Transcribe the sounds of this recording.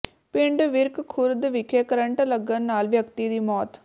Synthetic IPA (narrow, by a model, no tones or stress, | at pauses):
pɪɳɖʋɪɾkkʰʊɾd̪ʋɪkʰeːkəɾəɳʈləɡːənːaːlʋjəkt̪id̪iːmɔːt̪